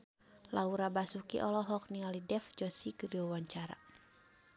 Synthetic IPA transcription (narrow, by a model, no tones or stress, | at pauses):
lauɾabasukḭʔɔlɔɦɔk̚niŋalidɛfd͡ʒɔsiɡəɾiɔwaɲt͡ʃaɾa̰